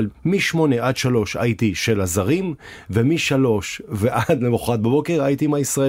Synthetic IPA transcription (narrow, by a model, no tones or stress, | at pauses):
lmiʃmo̞neʔad̪ʃalo̞ʃa̰it̪iʃe̞lazaʁim | vemiʃalo̞ʃveʔad̪lemuχat̪̚babo̞ke̞ʁait̪imaisʁae